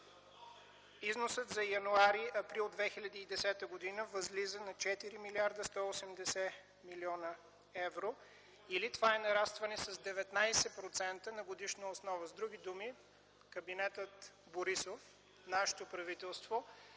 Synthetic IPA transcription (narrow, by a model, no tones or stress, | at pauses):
iznosət̪zɐjɐnuaɾiɐpɾilˠd̪vɛxilʲɐd̪iːd̪ɛsɛt̪əɡod̪inəvəzlizənɐt͡ʃɛt̪iɾimiliaɾd̪əst̪ɔosɛmd̪ɛsɛ | miliɔnə | ɛvɾo | ilit̪vaɛnɐɾast̪vɐnɛsɐzd̪ɛvɛt̪najsɛpɾot̪sɛnt̪ənɐɡod̪iʃnəosnɔvəzd̪ɾuɡʲid̪umi | kəbinɛt̪ət̪ | boɾisof | naʃɛ̥t̪opɾɐvit̪ɛlˠst̪vo